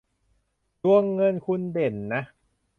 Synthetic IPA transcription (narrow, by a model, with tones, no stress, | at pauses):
du˧əŋːɤ˧nkʰu˧nde˨˩nːa˦˥